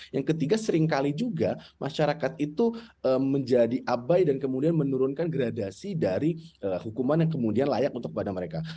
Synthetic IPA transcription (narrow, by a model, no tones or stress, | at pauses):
jaŋkət̪iɡasəɾɪŋkalid͡ʒuɡamʔaʃaɾakat̪̚it̪uəməɲd͡ʒadiʔabajdankəmudianmənuɾʊnkanɡɾadasidaɾiəːhukumanjaŋkəmudianlajakunt̪ʊk̚padaməɾeka